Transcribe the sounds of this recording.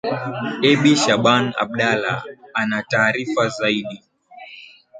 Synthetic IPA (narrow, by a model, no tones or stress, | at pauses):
ɛɓiʃaɓana̰ɓ̚ɗala̰anataːɾifazaiɗi